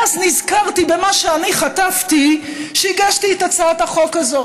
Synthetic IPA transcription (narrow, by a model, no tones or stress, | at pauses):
aznizkaʁt̪ibemaʃeaniχataft̪iʃeiɡaʃtiet̪at͡saat̪aχo̞kazo